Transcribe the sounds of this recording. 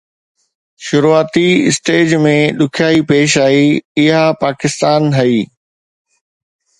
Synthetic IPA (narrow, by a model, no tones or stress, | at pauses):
ʃʊɾuaːt̪iɪsʈeːd͡ʑmẽɗʊkʰjaːipeːʃaːiɪɦapaːkɪst̪aːnɦɐiː